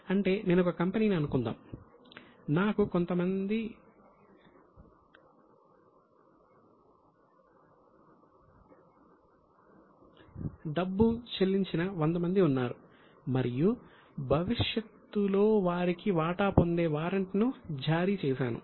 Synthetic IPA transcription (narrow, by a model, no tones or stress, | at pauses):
ɐɳʈe̞ːne̞ːnɔkɐkɐmpeniːniɐnukund̪a̰ːm | naːkuko̞nt̪ɐmɐnd̪i | ɖɐbːut͡ʃelːiɲt͡ʃinɐʋond̪ɐmɐnd̪iunːaːɾu | mɐɾiju | bʱɐʋiʂjɐt̪ːulo̞ːʋaːɾikiʋaːʈaːpo̞nd̪e̞ːʋaːɾɐɳʈnud͡ʒaːɾiːt͡ʃɛːʃaːnṵ